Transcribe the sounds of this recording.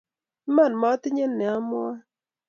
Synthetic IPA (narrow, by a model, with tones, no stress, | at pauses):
ma˦˨nma˨˦tɪ˦ɲe˦nːɛ˨a˦mʊ˦a˦